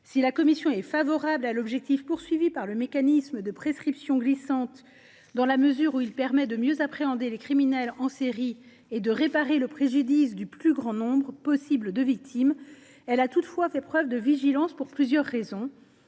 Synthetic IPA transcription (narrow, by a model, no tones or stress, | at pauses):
silakɔmisjɔ̃ɛfavɔʁablalɔbʒɛk̚t̪ifpuʁsɥivipaʁləmekanisməd̪əpχeskχipsjɔ̃ɡlisɑ̃t̪ | d̪ɑ̃laməzyːʁuilpɛʁmɛd̪əmjøzapχeɑ̃d̪elekχiminɛlɑ̃seʁi | ed̪əʁepaʁeləpχeʒyd̪isd̪yplyɡʁɑ̃nɔ̃bʁəpɔsibld̪əvik̚t̪ʰim | ɛlat̪ut̪fwafɛpχœvd̪əviʒilɑ̃spuʁplyzjœʁːezɔ̃